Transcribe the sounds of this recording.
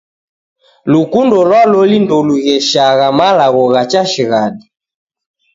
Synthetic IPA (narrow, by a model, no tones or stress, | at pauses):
lukundɔlwalɔlindɔluɣɛʃaɣamalaɣɔɣat͡ʃaʃiɣadi